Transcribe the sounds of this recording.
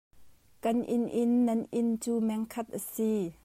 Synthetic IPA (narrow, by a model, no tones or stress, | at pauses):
kɐnʔɪnʔɪnːɐnʔɪnt͡suːmɛŋkʰɐt̪̚ʔɐsi